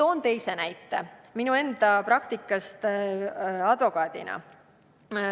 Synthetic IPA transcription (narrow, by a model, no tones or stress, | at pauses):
t̪o̞ːnt̪e̞jse̞næjt̪ːˑḛminue̞nd̪ɑprɑk̚t̪ikːˑɑst̪ | ɑd̪̥vo̞kɑːd̪̥ḭnɑ̰